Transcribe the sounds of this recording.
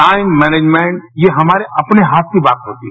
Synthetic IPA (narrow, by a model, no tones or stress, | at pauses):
aːɪnmɛːneːd͡ʒmẽɳʈjeɦɐmaːɾeʔɐpneɦaːt̪̚kibaːt̪ɦoːt̪i